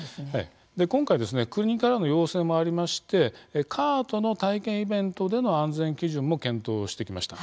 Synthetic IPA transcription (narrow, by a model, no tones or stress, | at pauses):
ha̰i | d̪e̞kõ̞ŋkaid̪e̞s̬ɨne̞kɯ̟ɲ̟ikaɾano̞jo̞ːsẽ̞mːo̞aɾʲimaɕi̥t̪e̞kʰaːt̪o̞no̞t̪aikẽ̞ɰ̃ibẽ̞nt̪o̞d̪e̞no̞ãnd͡zẽ̞ŋkʲiʑɨ̃mːo̞kẽ̞nt̪o̞ːɕi̥t̪e̞kʲimaɕi̥t̪a